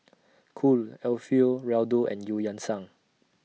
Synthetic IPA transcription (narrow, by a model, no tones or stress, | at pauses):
kʰulɛlfilɹɛldoʔɛ̰̃njujãnsãŋ